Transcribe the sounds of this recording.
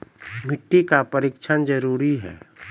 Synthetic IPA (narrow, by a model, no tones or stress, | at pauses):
mʱɪʈːikapəɾɪkʃʰənd͡ʒəɾuːɾiɦɛ̰ː